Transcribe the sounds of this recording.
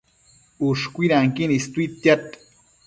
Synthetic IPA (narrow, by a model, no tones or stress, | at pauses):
uʃkʷiɾaŋkinist̪uit̪jat̪